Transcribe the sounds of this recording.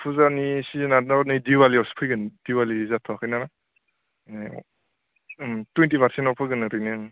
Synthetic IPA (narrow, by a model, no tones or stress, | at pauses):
pʰuzanisiznanaɾɔnɯjdiwaliɔspʰɯjɡɯnd̥iwalizatʰɔakʰɯjnaɾa | mtwentipʰaɾsentɔpʰɯɡɯnɯɾɯjnɯ